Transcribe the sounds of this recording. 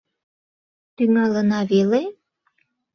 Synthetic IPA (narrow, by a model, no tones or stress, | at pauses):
t̪yŋɑlənɑβele